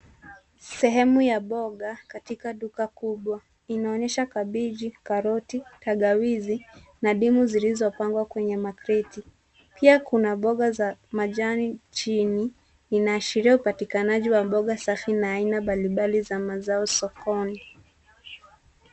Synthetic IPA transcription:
sɛɦɛmujaɓɔɠakatikaɗukakuɓwa | inaɔɲɛʃakaɓiʄikaɾɔtitaɠawizinaɗimuzilizɔpaŋɡwakwɛɲɛmakɾiti | pʰiakunaɓɔɠazamaʄanit͡ʃini | inaːʃiɾiaupatikanaʄiwaɓɔɠasafinaːinaɓaliɓalizamazaɔsɔkɔni

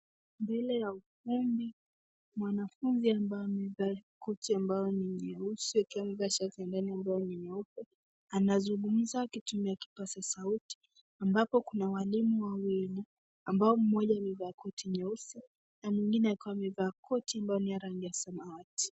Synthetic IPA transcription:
mbɛlɛjaufumbi | mwanafunziambajɔmivakɔtʰiambajɔniɲɛusiakiwamivaʃaviandaniambajɔniɲɛufɛ | anazuŋɡum̩zakitumiaki̥pasasauti̥ | ambapɔkunawalimuwawɛna | ambaɔm̩mɔʄamivakɔtiɲɛusi | namiŋɡinɛaikiwamɛvaːkʰɔtiambajɔnijaɾaŋɡijasamaati̥

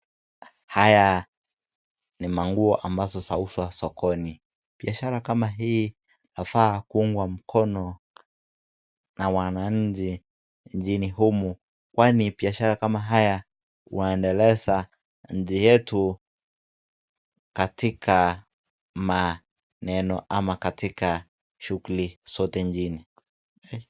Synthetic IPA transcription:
haja | nimaŋɡuɔʔambazɔsauswasɔkɔni | biaʃaɾakamaɦiː | nafaːkuuŋɡwam̩kʰɔnɔ | nawanaɲ̩d͡ʒi | ɲd͡ʒiniɦumu | kwanibiaʃaɾakamaɦaja | ṵnaɛndɛlɛsa | ɲ̩d͡ʒijɛtu | katikʰa | ma | nɛnɔʔamakatika | ʃukulisɔtɛɲd͡ʒini

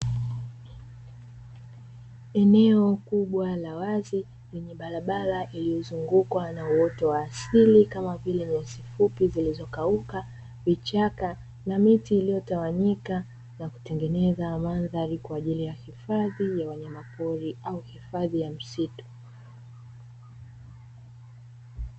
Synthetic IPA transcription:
ɛnɛɔkuɓwalawazi | lɛɲɛɓaɾaɓaɾaʔilijɔzuŋɡukwanauwɔtɔwaːsilikamavilɛmɛzifupizilizɔkauka | vit͡ʃaka | namitiːlijɔtawaɲika | naku̥tɛŋɡɛnɛzamanðaɾikwaːʄilijahifaðijawɛɲamapɔɾiʔauhifaðijam̩situ̥

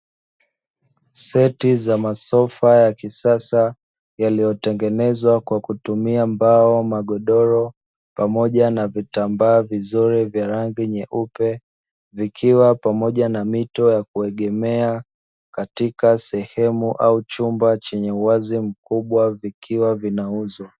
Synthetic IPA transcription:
sɛtizamasɔfajakisasa | jalijɔtɛŋɡɛnɛzwakwakutumiambaɔmaɠɔɗɔɾɔ | pamɔʄanavitambaːvizuɾɛvjaɾaŋɡiɲɛʔupɛ | vikʰiwapamɔʄanamitɔjak̚uɛɠɛmɛa | katikasɛhɛmuʔaut͡ʃumbat͡ʃɛɲɛuwazim̩kuɓwavikʰiwavinauza

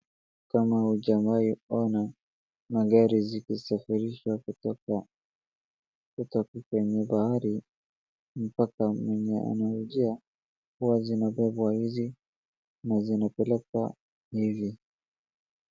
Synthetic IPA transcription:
kamauʄamaiɔna | maɠaɾizikisafiɾiʃwakutɔka | kutɔkikwɛɲɛɓahaɾi | m̩pakamwɛɲɛ̰ʔa̰nauʄia | huwazinaɓɛɓwahizi | nazinapɛlɛk̚wa̰ | hivi

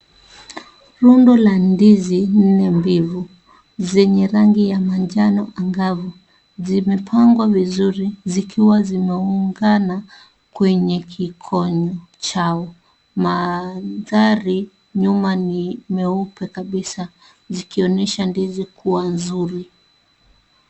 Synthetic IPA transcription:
ɾundɔlandizin̩nɛmbivu | zɛɲɛɾaŋɡijamaɲd͡ʒanɔʔaŋɡavu | zimɛpʰaŋɡwavizuɾizikiwazimɛuŋɡana | kwɛɲɛkʰikʰɔɲɔt͡ʃaɔ | maðaɾi | ɲumanimɛupɛkaɓisa | zikiɔnɛʃandizikʰuwanzuɾi

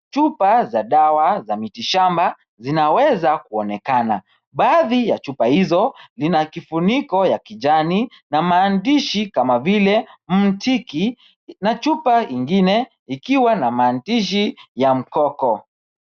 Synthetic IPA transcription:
t͡ʃupazaɗawazamitiʃamba | zinawɛzakuɔnɛkana | ɓaːðijat͡ʃupahizɔlinakifunikɔjakiʄani | namaːndiʃikamavilɛm̩tʰiki | nat͡ʃupaiŋɡinɛ | ikiwanamaːndiʃ̬ijam̩kɔkɔ

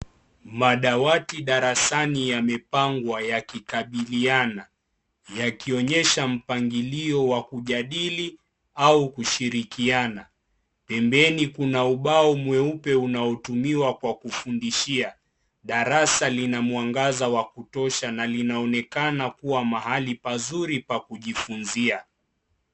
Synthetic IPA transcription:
maɗawatiɗaɾasanijamɛpaŋɡwajakikaɓiliana | jakiɔɲɛʃam̩paŋɡiliɔwakuʄaɗili | aukuʃiɾikiana | pɛmbɛnikunauɓaɔmwɛupɛunaɔtumiwakwakufundiʃia | ɗaɾasalinamuwaŋɡazawakutɔʃanalinaɔnɛkanakuwamaɦalipazuɾipakuʄifunzia

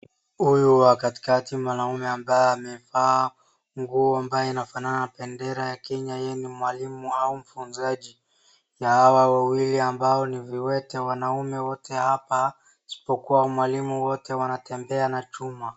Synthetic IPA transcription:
hujuwakati̥katimwanaumɛambajɔamɛfaː | ŋɡuambajɔinafananapɛndɛɾajakɛɲajɛnimwalimuaum̩funzaʄi | jahawawawiliambaɔniviwɛtɛwanaumɛwɔtʰɛhapa | si̥pɔkuwamwalimuwɔtɛwanatɛmbɛanat͡ʃuma

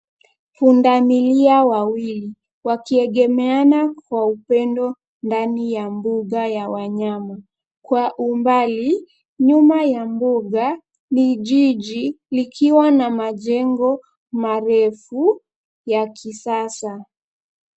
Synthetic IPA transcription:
pundamiliawawili | wakiɛɠɛmɛanakwaupɛndɔ | ndanijambuɠajawaɲama | kwaʔumbali | ɲumajambuɠa | niʄiʄi | likʰiwanamaʄɛŋɡɔ | maɾɛfu | jakʰisasa

